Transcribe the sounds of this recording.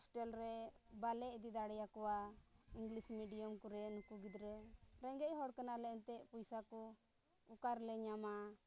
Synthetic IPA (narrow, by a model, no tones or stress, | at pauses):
sʈɛlɾɛbalɛd̪id̪aɽɛjakɔwaiŋɡlismiɖijɔmkuɾɛnkuɡid̪ɾəɾɛŋɡɛʔɦɔɽkanalɛnt̪ɛʔpujsaku | ukaɾlɛɲama